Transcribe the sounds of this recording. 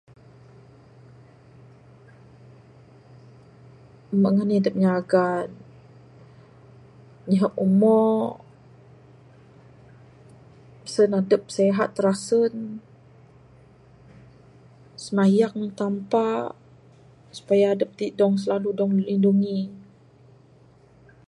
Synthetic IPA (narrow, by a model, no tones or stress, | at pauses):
məʔŋəniadəp̚ɲaɡan | ɲəɦəʔumɔ | ə̥sənadəp̚seɦat̪ːəɾasən | səmajaŋt̪ampa | su̥pajaːdəp̚t̪idɔŋs̬əlaludɔŋlinduŋi